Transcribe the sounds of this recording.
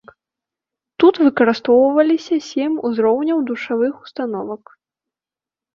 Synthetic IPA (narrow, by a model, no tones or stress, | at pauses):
t̪ut̪vɨkɐɾɨst̪ɔwvɐlʲisʲɐsʲeɛmʲuzɾɔwnʲɐwd̪uʂavɨxu̥st̪an̪ɔvɐk